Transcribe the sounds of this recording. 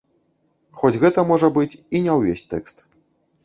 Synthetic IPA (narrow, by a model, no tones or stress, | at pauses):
xɔd͡zʲɣɛt̪ɐmɔʐɐbɨt͡sʲinʲɛwvʲesʲt̪ɛkst̪